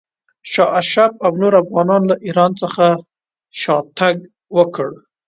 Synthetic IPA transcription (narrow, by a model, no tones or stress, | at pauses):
ʃɑʔaʃabawnoɾafɣɑnɑnlaʔiɾɑnt͡səxa | ʃɑt̪aɡ | wəkəɽ